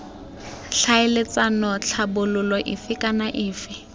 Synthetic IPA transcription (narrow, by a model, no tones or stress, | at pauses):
ɬʰaɪlɪt͡sanɔt͡ɬʰabʊlʊlɔʔɪfɪkʼanaʔɪːfɪ